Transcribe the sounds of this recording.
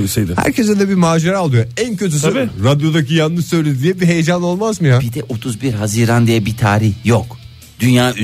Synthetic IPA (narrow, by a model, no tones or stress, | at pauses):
isejd̪ɛhæ̰ɾcʰesd̪ɛd̪ɛbimaːd͡ʒeɾalˠujoæncʰøt̪̬ʰysɾad̪jo̞d̪acijanːɯʃsø̞jlʲed̪yd̪ijɛbiɦejed͡ʒano̞lˠmazmɯjabid̪ɛʔot̪ʰuzbiɾɦaziɾand̪ijɛbit̪ʰaːɾihjok | d̪̥ynjaː